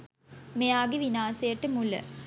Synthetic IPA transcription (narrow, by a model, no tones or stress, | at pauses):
mejaːɡeʋinaːsɐjɐʈːəmulə̰